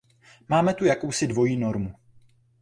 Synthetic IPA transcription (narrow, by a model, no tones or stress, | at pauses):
maːmɛt̪ujakowsɪdvo̞jiːno̞ɾmu